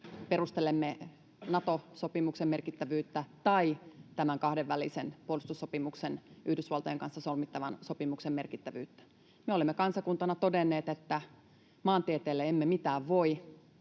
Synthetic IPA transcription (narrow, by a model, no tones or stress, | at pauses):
perust̪elemːe | nɑt̪osopimuksemmerkit̪ːæʋyːt̪ːæt̪ɑit̪æmæŋkɑhdeʋːælisenpuolist̪usːopimuksenʔyhdysʋɑlt̪ɑjeŋkɑnsːɑsolmit̪ːɑʋɑnso̞pimuksemmerkit̪ːæʋy̰ːt̪ːæ̥ | meolemːekɑnsɑkunt̪ɑnɑt̪odenːˑeːt̪et̪ːæ | mɑːnt̪iet̪eːlːeemːemit̪æːʋʋo̞i